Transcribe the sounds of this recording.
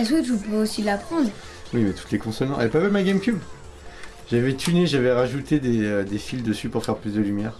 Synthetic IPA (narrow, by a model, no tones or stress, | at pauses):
ɛsχikʒəpøosilapχɑ̃d̪ʁ | wimɛt̪u̥t̪lekɔ̃sɔlnɑ̃ɛpavɛmaɡʲɛmkʲub | ʒ̥avɛt̪ʰyneʒavɛʁaʒut̪ed̪ed̪efild̪əsypuʁfɛʁplyzd̪əlymjɛːʁ